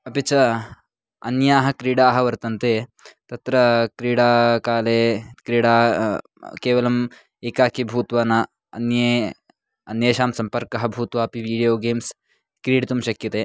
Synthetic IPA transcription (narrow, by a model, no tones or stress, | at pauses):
ɐpit͡ʃɐ | ɐ̰njaːɦɐ̆kɾiːɽaːɦɐʋɐɾt̪ɐnt̪eːt̪ɐt̪ɾɐkɾiːɽaːkaːleːkɾiːɽaː | keːʋɐlɐm | eːkaːkibʱuːt̪ʋɐnɐ | ɐ̰njeː | ɐnjeːʃaːmsɐmpɐɾkɐɦɐbʱuːt̪ʋɐɐpiʋiːɽijoːɡeːms | kɾiːɽt̪umʃɐkjɐt̪eː